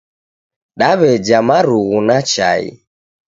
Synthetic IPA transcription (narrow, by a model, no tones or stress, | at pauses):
ɗaβɛd͡ʒamaɾuɣunat͡ʃa̰ḭ